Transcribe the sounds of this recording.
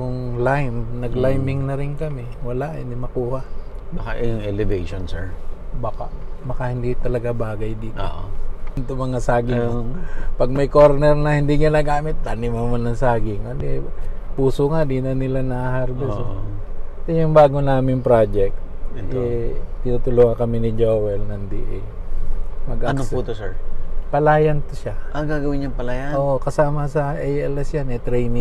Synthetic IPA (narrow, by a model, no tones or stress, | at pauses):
jʊŋlajmnɐɡlajmɪŋnɐɾɪnkɐmɛ | wɐlaʔhɪ̰nd̪imɐkuːhaʔbakaʔɛjʊŋɛlɛvejʃonsɛɹbaːkaʔmɐkahɪnd̪it̪ɐlɐɡabaːɡɐjd̪iːt̪o̰ʔo̰ɪnt̪omɐŋasaːɡɪŋ | pɐɡ̚mɐjkoɾnɛɾnɐhɪnd̪iɡɪnaːɡaːmɪt̪ːanɪmɐmanɐŋsaːɡɪŋkod̪ɪpuːsoŋad̪iːnɐnɪlanɐhaɾɡos | t̪ɛjʊŋbaːɡonaːmɪŋpɾaːd͡ʒɛk̚t̪̚ʔ̪ɛɪnut̪ʊlohɐkɐmɪnɪd͡ʒowɛlnɐnd̪ḭʔɛ̰ | mɐɡʔanosut̪osɛɹpɐlaːjɐnt̪ʊʃaʔɐɡaːɡɐwɪɲːɐŋpɐlaːjɐoːʔokɐsaːmɐsɐʔɛjɛlɛsjanɛt̪ɾɛjnɪ